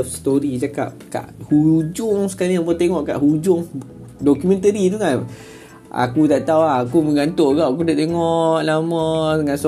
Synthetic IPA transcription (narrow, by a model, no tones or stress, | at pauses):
fst̪oɾid͡ʒaka̰p̚ka̰ʔhud͡ʒʊŋsə̥kalɲambət̪eŋɔʔka̰ʔhud͡ʒʊŋ | dokumɛ̃nt̪əɾiduŋan | a̰kut̪aʔt̪awaakuməŋɡant̪oʔɡaʔak̬ud̪aʔt̪eŋɔʔlamɔdəŋans